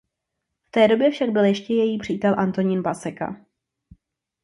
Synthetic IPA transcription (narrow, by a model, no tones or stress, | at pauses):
ft̪ɛːdo̞bjɛfʃaɡ̚bɪljɛʃcɛjɛjiːpr̝̥iːt̪ɛlʔant̪o̞ɲɪnbasɛka̰